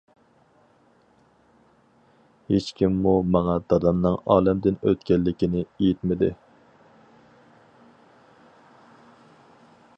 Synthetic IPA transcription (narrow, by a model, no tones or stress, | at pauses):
het͡ʃkʲʰimːumɑŋɑd̪ɑd̪ɑnnɨŋɑːlɛmd̪ɪnøt̪kʲɛlːɪkʲɪnɪejit̪mɪd̪ɪ